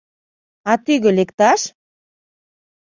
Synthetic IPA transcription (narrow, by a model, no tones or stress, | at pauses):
ɑt̪yɣø̆lekt̪ɑʃ